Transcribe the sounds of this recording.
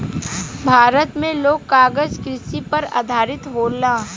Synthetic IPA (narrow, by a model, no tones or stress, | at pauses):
bʱaːɾət̪mẽloːɡkaːɡəzkɾɪsipɐɾa̰ːd̪ʱaːɾɪt̪ɦoːlãː